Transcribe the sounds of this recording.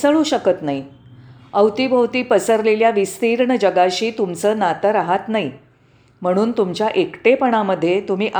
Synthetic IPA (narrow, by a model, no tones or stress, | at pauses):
səɭũɕəkət̪nai | əwt̪ibʱəwt̪iːpəsəɾleljaʋist̪iːɾɳəd͡ʑəɡaɕiːt̪umt͡səːnat̪əɾaɦat̪naɦi | m̤əɽ̃uːnt̪umt͡ɕjaʔekʈepəɽ̃aməd̪ʱːjet̪um̤iːʔ